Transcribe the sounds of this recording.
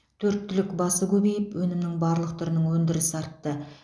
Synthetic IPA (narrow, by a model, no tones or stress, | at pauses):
t̪ʰɵɾt̪ʰːʏlɪkbɑsəkʲʰɵbejɪpwɵnɪmnɪŋbɑɾlˠəqt̪ʰʏɾɪnəŋwɵnd̪ɪɾɪsɪɑɾt̪ːə